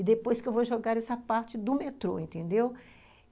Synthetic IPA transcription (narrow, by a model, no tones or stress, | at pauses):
ɪd̪epojskewvoʒoɡaɾɛsɐpaɾt͡ʃɪd̪ʊmet̪ɾo̰ẽnt̪ẽnd̪ew